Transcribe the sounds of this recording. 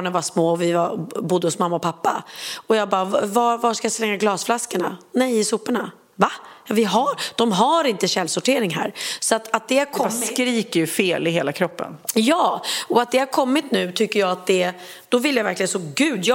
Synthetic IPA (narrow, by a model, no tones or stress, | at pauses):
ɳənvaʂmoːɔvɪvabʊd̪ːəhɔsmamːaɔpʰapːaɔjɑːɡ̚bɑːvvavaʂkajaslɛŋːaɡlɑːsflaskəɳanɛjɪsuːpaɳa | vajɑvɪɦaɾd̪̥ɔmɦaɾɪnt̪əɕɛlsʊʈʰeːɾɪŋɦæ̰ːɾsɔat̪ʰat̪̚d̪ɛhaɾkʰɔmːskɾiːkəɾjɵfeːlɪɦeːlakʰɾɔpːə̰njɑːɔat̪̚d̪ɛhaɾkʰɔmːɪt̪nʉ̟ːt̪ʰʏkːəɾjɑːɡat̪̚d̪ɛ | d̪̥ɔvɪlːjavæɾklɪɡənsɔɡʉ̟ːd̪j